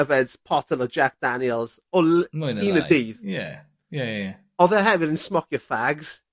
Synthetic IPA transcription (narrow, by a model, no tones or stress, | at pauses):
əvɛdz̥pʰɔtʰəlɔd͡ʒak̚d̥anjəlˠz̥ | ɔlmniːnədiːðjɛ | jɛjɛ | ɔðəɦɛvɪɾənsmɔkjəfaɡz̥